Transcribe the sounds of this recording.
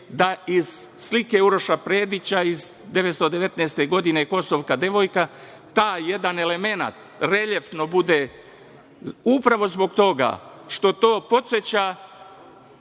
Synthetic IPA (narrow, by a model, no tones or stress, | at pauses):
d̪aiz̥slike̞uɾo̞ʃapɾeːd̪it͡ɕaiz | d̪eʋet̪st̪od̪e̞ʋe̞t̪nɛːst̪e̞ɡo̞d̪ineko̞soʋkad̪e̞ʋo̞jka | t̪aːje̞d̪ane̞le̞me̞na̰t̪ | ɾe̞ʎeft̪no̞bud̪e | upɾaʋo̞zbo̞ɡt̪o̞ɡa̰ʃt̪o̞t̪o̞ːpo̞t̪set͡ɕa